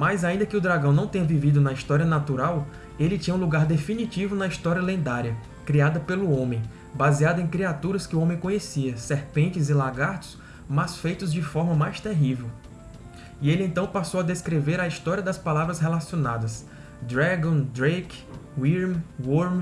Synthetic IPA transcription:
majzaĩnd̪ɐkɪʊd̪ɾaɡɐ̃w̃nɐ̃w̃t̪ẽɲɐvivid̪ʊnɐist̪ɔɾiɐnat̪uɾaw | elɪt͡ʃĩɲɐ̃ũluɡaɾd̪efinit͡ʃivʊnɐist̪ɔɾiɐlẽnd̪aɾjɐ | kɾiad̪ɐpelʊõmẽj̃ | baziad̪ʊẽj̃kɾiat̪uɾɐskɪʊõmẽj̃kõɲesiɐsehpẽnt͡ʃɪzɪlaɡaɾt̪ʊ̥s | mɐsfejt̪ʊzd͡ʒɪfɔɾmɐmajst̪eɦivew | ɪelɪẽnt̪ɐ̃w̃pasowɐd̪eskɾeveɾɐist̪ɔɾiɐd̪ɐspalavɾɐsɦelasionad̪ɐs | d̪ɾaɡõd̪ɾejkwiɾmwoɾm

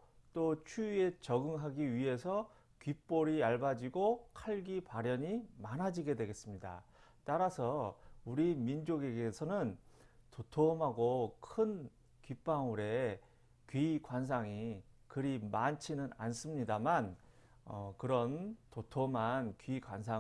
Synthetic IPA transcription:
t͈ot͡ɕʰuie̞t͡ɕʌɡɯŋɦaɡiɥiɦe̞sʰʌ | kɥip͈oɾiaɭbad͡ʑiɡokʰaɭɡipaɾjʌɲimanɦad͡ʑiɡe̞dwe̞ɡe̞s͈ɯmɲida̰ | t͈aɾasʰʌuɾimind͡ʑoɡe̞ɡesʰʌnɯn | totʰomɦaɡokʰɯn | kɥip͈aŋuɾe̞ | kɥikwans̬ʰaŋikɯɾimant͡ɕʰinɯna̰ns͈ɯmɲidaman | ʌ̰kɯɾʌntotʰomɦankɥiɡwans̬ʰa

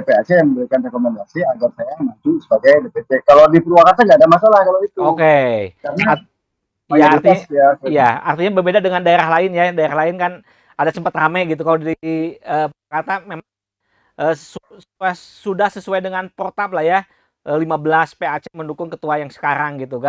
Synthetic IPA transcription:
epeat͡ʃejaŋməmbəɾikanrekomɛndasiaɡarsajanat͡ʃusəbaɡajdepet̪ekalodipəɾuakat̪aŋɡadamasalahkaloit̪uokekana | aart̪asjasijaa̰rt̪iɲabərbedadəŋandaeɾaɦlaɪnjadaeɾaɦlaɪnkan | adasəmpət̪ramaɡit̪̬ukalodaɾiəːpuakat̪amemaŋ | ʔəːusəsuasudahsəsuajdəŋanpɾot̪aplahja | ʔəlimabəlaspeat͡ʃeməndukʊŋkət̪uajaŋsə̥kaɾaŋɡit̪uka

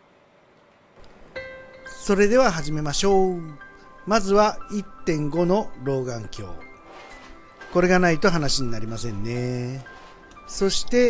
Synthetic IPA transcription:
so̞ɾe̞d̪e̞β̞aɦaʑime̞maɕo̞ː | mazɨβait̪ːẽ̞ŋɡo̞no̞ɾo̞ːɡãŋkʲo̞̰ː | ko̞ɾe̞ɡanait̪o̞ɦanaɕiɲ̟inaɾʲimasẽ̞nːe̞ | so̞ɕi̥t̪e̞

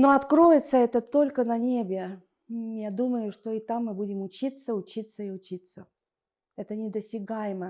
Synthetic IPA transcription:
no̞ɐt̪kɾojɪt̪səɛt̪ət̪olʲkənɐnʲebʲɪ | jad̪uməjʊʂt̪o̞ɪt̪amːɨbudʲɪmʊt͡ɕit̪səʊt͡ɕit̪səɪʊt͡ɕit̪sə | ɛt̪ənʲɪd̪əsʲɪɡajɪmə

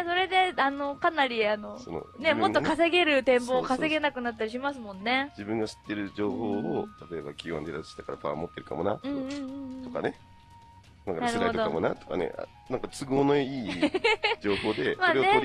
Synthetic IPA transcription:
so̞ɾe̞d̪e̞ano̞kanaɾʲiano̞so̰no̰ne̞mot̪ːokaseɡe̞ɾɯ̟t̪ẽ̞mboːkase̞ɡe̞nakɯ̟nat̪ːaɾʲiɕimasɨmõ̞nːe̞d͡ʑibɯ̟̃ŋɡaɕi̥t̪ːe̞ɾɯ̟d͡ʑo̞ːhoːot̪at̪o̞ebakʲiwã̰nd̪eɾasi̥ɕi̥t̪akaɾapã̰mo̞t̪ːe̞ɾɯ̟ka̰mo̞naɯ̟̃ɴ̃ɴɯt̪o̞ka̰ne̞ | akanasɾɯɾaiot̪odokamo̞nat̪o̥ka̰ne̞̰a̰ | nãŋkat͡sɨɡo̞ːnoiː | d͡ʑo̞ːho̞ːd̪e̞maoːɾene

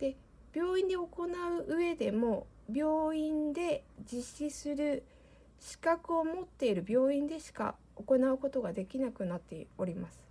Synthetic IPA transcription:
d̪̥e̞ | b̥ʲjo̞ːĩnd̪e̞o̞ko̞naɯ̟ʔɯ̟e̞d̪e̞mo̞ | bʲo̞ːĩnd̪e̞d͡ʑiɕːisɨɾɯ̟ | ɕi̥kakɯ̟o̞mo̞t̪ːe̞iɾɯ̟bʲo̞ːĩnd̪e̞ɕi̥ka̰ | o̞ko̞naɯ̟ko̞t̪o̞ɡad̪e̞kʲinakɯ̟nat̪ːe̞̰o̞ɾʲimasɨ̥

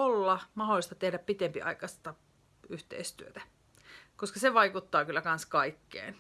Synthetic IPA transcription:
olːɑmɑholːˑist̪ɑt̪ehdæppit̪empḭɑ̰ikɑst̪ɑ | yht̪ḛist̪yøt̪æ | koskɑseʋɑikut̪ːɑːkylːˑækɑnskɑikːḛːn

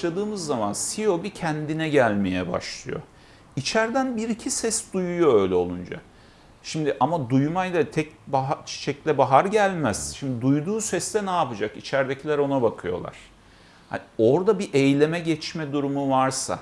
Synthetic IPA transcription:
lˠad̪ɯːmɯzːamansijo̞bicʰɛnd̪inɛɟælʲme̞jɛba̰ʃlˠɯ̰jo̞̰ | it͡ʃʰæɾd̪ænbiɾicʰisɛsd̪ujujo̞ø̞ːjlʲɛo̞lˠund͡ʒa̰ | ʃimd̪iʔamad̪ujmajlat̪ʰɛcbaɦat͡ʃʰi̥t͡ʃʰɛclʲɛbaɦaɾɟælʲmæz̥ʃimd̪id̪ujd̪uːsɛst̪ɛnaːpɯd͡ʒakit͡ʃʰæɾd̪ecʰilʲæɾo̞nabakʰɯjo̞̰lˠa̰ɾ̥ | ha̰nio̞ɾd̪abiʔejlʲe̞mɛɟɛt͡ʃmɛd̪uɾumuvaɾsa̰

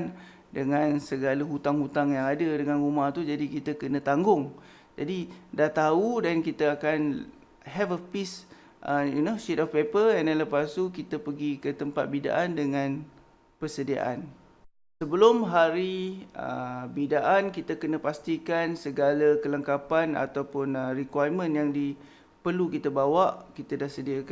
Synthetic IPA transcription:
n | dəŋãnsəɡaləɦut̪aŋhut̪aŋjaŋadədəŋãnumaht̪ud͡ʒadikit̪əkənə̃t̪aŋɡʊŋ | d͡ʒadidaht̪audankit̪əakan | ɦɛvəpis | ʔəjunoʃetɔfpepəɛndɛnləpast̪ukit̪əpəɡikət̪əmpat̪̚bida̰ʔandəŋãn | pəsədia̰ʔa̰n | səbəlʊmɦaɾiə̰bidaʔankit̪əkənə̃past̪ikansəɡalakələŋkapana̰t̪awpʊnərikwajmə̃njaŋdi | pəlukit̪əbawaʔkit̪adahsədiak

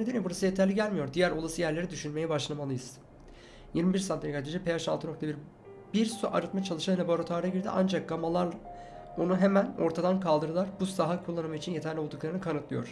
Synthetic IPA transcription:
ed̪eniibuɾasɯjet̪ʰæɾlʲiɟælʲmijo̞ɾd̪ijæɾo̞lˠasɯjæɾlʲe̞ɾid̪yʃynme̞jɛbaʃlˠamalˠɯjɯz̥ | jiɾmibiɾsaneikʰad̪ed͡ʒɛpʰe̞jaʃa̰lt̪ʰɯno̞kt̪ʰabiɾ | biɾsuʔaɾɯt̪mat͡ʃʰalˠɯʃalaboɾat̪ʰaːɾaɟiɾd̪ḭʔa̰nd͡ʒak̚ɡamalˠaɾla | o̞nuɦe̞mæno̞ɾt̪ʰad̪ankʰalˠd̪ɯɾɯlˠaɾbusaɦakʰulˠːanɯmait͡ʃʰinjet̪ʰæɾlʲio̞lˠd̪uklˠaɾɯnɯkʰanɯt̪lˠɯjo̞̰ɾ̥

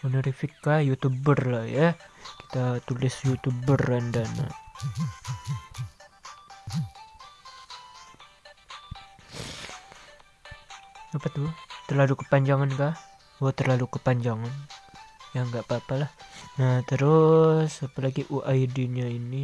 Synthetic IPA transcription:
unaɾifɪkːahjut̪ubərlahjaki̥t̪at̪ulɪsjut̪ubərandana̰ | apat̪ut̪ərlalukəpaɲd͡ʒaŋanka | ot̪ərlalukəpaɲd͡ʒaŋan | jaŋɡaʔpaːpalahnaht̪əɾʊsapalaɡiʔuʔajdiɲaini

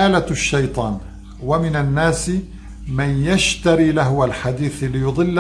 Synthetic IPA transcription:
aːlaʃːɑjt̪ˤɑːn | wamɪnanːaːs | manjaʃt̪aɾilahwalħad̪iːθlːɪjʊd̪ˤɨlː

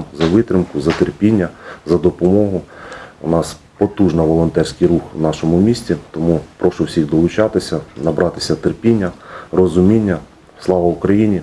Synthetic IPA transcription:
zɐʋɪt̪ɾɪmkʊzɐt̪erpʲinʲːɐzɐd̪ɔpɔmɔɦʊʊnɑs | pɔt̪uʒnɐʋɔlˠɔnt̪ɛrʲsʲkɪjɾuxwnɑʃɔmʊmʲisʲtʲit̪ɔmupɾɔʃʊwsʲixd̪ɔlˠʊt͡ʃɑt̪ɪsʲɐnɐbɾɑt̪ɪ̥sʲɐt̪erpʲinʲːɐrɔzʊmʲinʲːɐ | slˠɑʋɐwʊkɾɐjinʲi

